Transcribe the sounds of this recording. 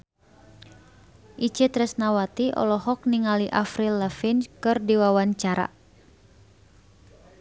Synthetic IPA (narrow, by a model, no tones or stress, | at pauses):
ʔit͡ʃet̪ɾɛsnawat̪iʔɔ̰lɔɦɔk̚niŋaliʔafɾilːəfinkɨrdiwawaɲt͡ʃaɾa̰